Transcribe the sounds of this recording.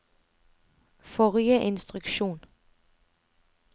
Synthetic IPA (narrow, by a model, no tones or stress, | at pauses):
fɔʁjəʔɪnst̪ʁʉkʃuːn